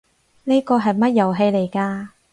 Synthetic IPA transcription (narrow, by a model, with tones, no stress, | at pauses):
ne˥kɔː˧ɦɐ˨jmɐ˥t̚jɐ˨˩wɦe˧jle˨˩jkaː˧